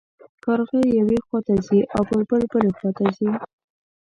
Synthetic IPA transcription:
kaɾɣejawexwat̪aziʔawpəlbəlbəlexwat̪azi

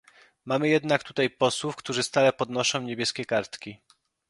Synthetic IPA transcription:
mamɘjɛd̪nakt̪ut̪ajpɔswufkt̪uʐɘst̪alɛpɔd̪nɔʂɔ̃w̃ɲebʲjɛskʲɛkaɾt̪kʲi

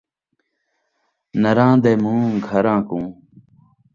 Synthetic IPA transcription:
nəɾãːd̪eːmũːɡʱəɾãːkũː

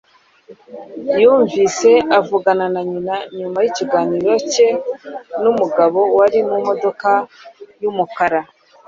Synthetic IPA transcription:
juːɱviːse̞avuɡananaɲinaɲumajiciɡaːniːɾo̞ce̞numuɡaβo̞waɾimumo̞do̞kajumukaɾa

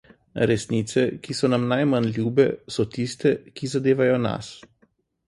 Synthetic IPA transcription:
ɾɛsniːt̪sɛkisɔnamnajmanljuːbɛsɔt̪ist̪ɛkizad̪eːʋajɔna̰s

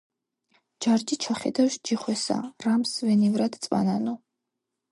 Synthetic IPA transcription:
d͡ʒaɾd͡ʒit͡ʃʰaχɛ̰d̪awʃd͡ʒiχwɛsa̰ramsvɛnivɾad̪t̪sʼwa̰nanɔ

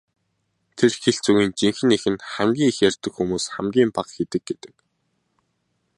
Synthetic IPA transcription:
t̪ʰerxeɬt͡suɣiːnt͡ɕiŋxɘ̆nexɘ̆nχæmɡʲiːŋixjærʲt̪ɘ̆kxumuːsχæ̰mɡʲiːmpaqxet̪ɘ̆ɡ̚ɡet̪ɘ̆k̚

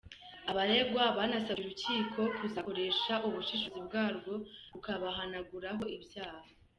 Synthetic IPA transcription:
aβaɾeɡwaβanasauɾuciːkʰo̞kʰuzako̞ɾe̞ʃaʔuβuʃiʃozibɡaːɾɡo̞ukaβaɦanaɡuɾaɦo̞ibjaːha

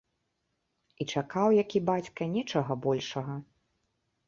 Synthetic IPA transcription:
it͡ʂakawjakʲibat͡sʲkɐnʲɛt͡ʂɐɣɐbɔlʲʂɐɣɐ

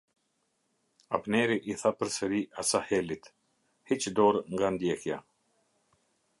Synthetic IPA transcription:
a̰pnɛɾiʔiθapəɾsəɾiʔasahɛlit̪ | hit͡ʃd̪ɔɾŋɡand̪jɛkja

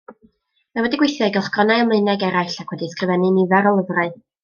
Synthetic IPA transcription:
mawɛdɪɡwɪjθjaɡɛlˠχɡ̥ɔnaɨɔmlˠəɨnɛɡɛɾaɨɬakʰwɛdiskrɨvɛnɨnivɛɾɔlˠəvraɨ

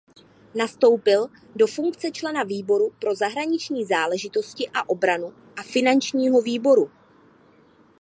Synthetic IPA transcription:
nast̪o̞wpɪl | do̞fuŋkt͡sɛt͡ʃlɛnaviːbo̞ɾupɾo̞zaɦɾaɲɪt͡ʃɲiːzaːlɛʒɪt̪o̞scɪʔaʔo̞bɾanu | ʔafɪnant͡ʃɲiːɦo̞viːbo̞ɾu

